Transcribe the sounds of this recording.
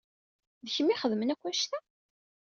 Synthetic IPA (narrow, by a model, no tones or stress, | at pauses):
ðəçəmːiχəðmənækʷːæʃt̪æ